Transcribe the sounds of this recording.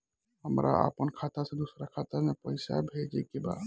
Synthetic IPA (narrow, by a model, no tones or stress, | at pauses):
ɦəmɾʔa̰ə̰pənkʰat̪asẽd̪usɾakʰat̪amepəɪsa̰bʱed͡ʒɛkeba̰